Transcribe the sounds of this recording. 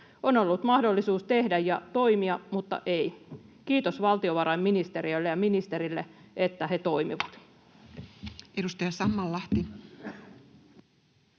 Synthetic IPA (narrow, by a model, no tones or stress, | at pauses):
ono̞lːut̪mɑhdolːisuːst̪e̞hdæjjɑt̪o̞imiɑmut̪ːɑ̰ʔeikiːt̪osʋɑlt̪ioʋɑɾɑimminist̪e̞ɾiølːejɑminist̪e̞ɾilːeet̪ːæɦet̪o̞imḭʋɑt̪ | edust̪ɑjɑsɑmːɑlːɑht̪i